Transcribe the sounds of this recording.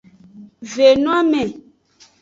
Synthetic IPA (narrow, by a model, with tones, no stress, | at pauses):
ve˨nũ˦a˦mɛ̃˨